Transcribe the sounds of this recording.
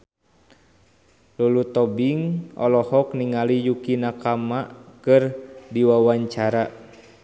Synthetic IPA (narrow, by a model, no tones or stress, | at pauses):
lulut̪ɔbiŋɔ̰lɔhɔkniŋalijukinakamaʔkɨrdiwawaɲt͡ʃaɾa